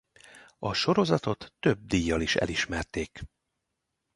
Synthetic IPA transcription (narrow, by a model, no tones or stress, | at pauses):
ɒʃo̞ɾo̞zɒt̪o̞t̪ːø̞b̚d̪iːjːɒliʃɛ̰liʃmɛrt̪eːk